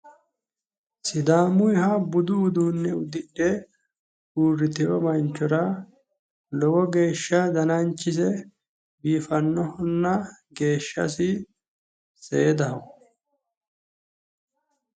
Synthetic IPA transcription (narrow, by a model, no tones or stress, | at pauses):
sɪd̪aːmʊjɦɐbʊd̪ud̪uːnːɛʊd̪ɪɗːe | uːrːɪt̪ɪjɔmɐnt͡ʃːɔɾɐ | lɔwɔɡe̞ːʃːɐd̪ɐnɐnt͡ʃːɪs̬ɛ | biːfɐnːɔhɔnːɐɡe̞ːʃːɐ̰sɪ | seːd̪ɐɦɔ